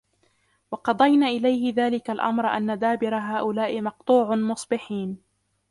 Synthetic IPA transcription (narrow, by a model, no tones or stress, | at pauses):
wɑqɑd̪ˤɑjnaːʔɪlajhɪðaːlɪkalʔa̰mɾʔa̰nːad̪aːbɪɾaɦaːʔʊlaːʔɪmɑq̚t̪ˤuːʕʊmʊsˤbɪħiːn